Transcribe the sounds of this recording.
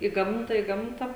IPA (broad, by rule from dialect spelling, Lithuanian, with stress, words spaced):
ɪ ˈɡɐmtɐ ɪ ˈɡɐmtɐ